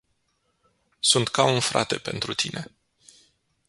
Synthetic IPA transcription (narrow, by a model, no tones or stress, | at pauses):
sunt̪kaunfɾa̰t̪e̞pe̞nt̪ɾut̪ine̞